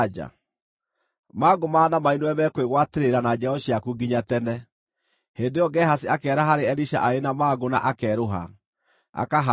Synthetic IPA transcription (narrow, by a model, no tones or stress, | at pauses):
d͡ʒa̰ | maːɡomaːnamainoɛmɛkweɣwateɾeɾanad͡ʒɛɔɕiakuɡiɲatɛnɛ | heːndejɔɡɛhasiakɛːɾaɦaɾeɛɾiʃa̰ʔaenamaːɡona̰ʔakɛɾoɦa̰ | a̰kaɦa